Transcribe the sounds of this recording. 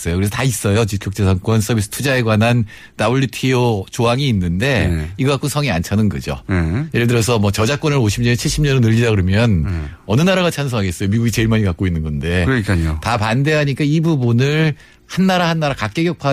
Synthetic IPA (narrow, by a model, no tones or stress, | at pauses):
s͈ʌjokɯɾeʌtais͈ʌjot͡ɕikʰjok̚t͡ɕ͈esʰaŋk͈wʌns͈ʰʌbis͈ʰɯ̥tʰud͡ʑaeɡwanɦan | tabuʎːjutʰiot͡ɕoɦaŋiːnːɯnde̞iɡʌkak͈unsʰʌŋiant͡ɕʰanɯnɡʌ̰d͡ʑo̰je̞ɾɭedɯɾʌsʰʌmʌt͡ɕʌd͡ʑak͈wʌnɯɾoɕʰimɲʌnt͡ɕʰiɭɕ͈ʰimɲʌnɯnɯʎːidaɡɯɾʌmjʌn | ʌnɯnaɾaɣat͡ɕʰanɯnsʰʌɦaɡes͈ʌjomiɡuɡit͡ɕe̞iɭmaɲikak͈oinːɯnɡʌnde̞kotapande̞ɦaɲik͈aibubunɯɭ | hanːaɾahanːaɾakak͈eɡjʌk̚pʰa